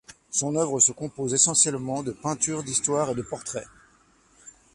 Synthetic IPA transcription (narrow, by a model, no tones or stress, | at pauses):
sɔ̃nœvʁəsəkɔ̃pozesɑ̃sjɛlmɑ̃d̪əpɛ̃t̪yʁd̪ist̪waʁed̪əpɔʁt̪χɛ